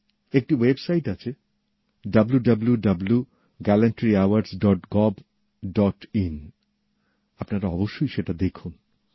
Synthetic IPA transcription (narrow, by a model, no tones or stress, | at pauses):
ek̚ʈiwebsajʈat͡ɕʰe | ɖɐbluɖɐbljuɖɐblu | ɡɛleɳʈɾiawaɾsɖɔʈɡɔb | ɖɔʈin | apnaɾaɔboʃːojʃeʈad̪ekʰun